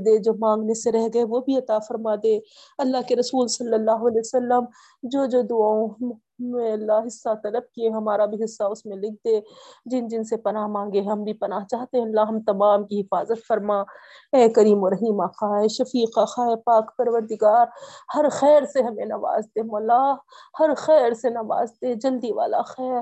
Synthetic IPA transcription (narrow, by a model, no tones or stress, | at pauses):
d̪ed͡ʒoːmãːŋɡneseɾɛɦɡɐeʋobʱiɐt̪aːfɐɾmad̪eː | ɐlːaːɦkeɾɐsuːlsɐlːɐlːaːɦʊɐlɛːsɐlːəm | d͡ʒoːd͡ʒoːd̪ʊaːõ | mẽɐlːaːɦɪsːat̪ɐləb̚kieɦɐmaːɾabʱiɦɪsːaʊsmẽlɪk̚ʰd̪eːd͡ʒɪnd͡ʒɪnsepɐnaɦmãːŋɡeɦɐmbʱipɐnaːɦt͡ʃaːɦt̪eɦɛ̃ɐlːaːɦɐmt̪ɐmaːmkiɦɪfaːzət̪fɐɾmaː | ɛːkɐɾiːmoɾɐɦiːmaxaːeʃɐfiːqaxaːepaːkpɐɾʋəɾd̪ɪɡaːɾhɐɾxɛːɾseɦɐmẽnɐʋa̰ːzt̪emɐlaː | hɐɾxɛːɾsenɐʋa̰ːzt̪ed͡ʒɐld̪iʋa̰ːla̰xɛːɾ